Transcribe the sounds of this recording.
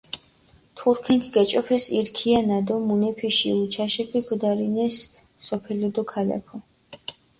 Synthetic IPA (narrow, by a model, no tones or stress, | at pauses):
t̪ʰuɾkʰɛŋkʰiɡat͡ʃʼɔpʰɛsiɾkʰianad̪ɔmunɛpʰiʃḭut͡ʃʰaʃɛpʰiɡd̪aɾinɛsː | ɔpʰɛlɔd̪ɔkʰala̰kʰɔ